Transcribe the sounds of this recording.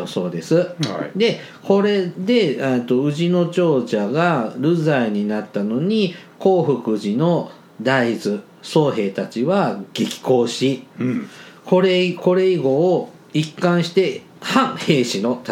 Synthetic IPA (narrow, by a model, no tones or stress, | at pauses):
so̞ːd̪e̞sɨd̪e̞ | ko̞ɾe̞d̪e̞et̪ːo̞ɯ̟ʑino̞t͡ɕo̞ːʑaɡaɾɯ̟zaiɲ̟inat̪ːano̞ɲ̟iko̞ːɸɯ̟kɯ̟ʑino̞ | d̪aizɨ | so̞ːɦe̞ːt̪at͡ɕiβaɡ̥ekʲi̥ko̞ːɕi | ko̞ɾeko̞ɾe̞iɡo̞ː | ikːãɰ̃ɕi̥t̪e̞ | hãŋ̃he̞ːɕino̞t̪